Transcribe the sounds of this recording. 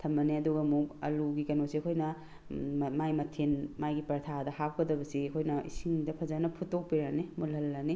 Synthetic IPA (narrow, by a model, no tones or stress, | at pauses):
tʰɐmːɐneɐduɡɐmuk̚ɐ̰luɡikɐnoseɐkʰojnɐ | majmɐtʰenmajɡipɐɾtʰadɐhap̚kɐdɐbɐsiɐkʰojnɐḭsiŋdɐpʰɐzanɐpʰutːok̚piɾanemulɦɐlːɐni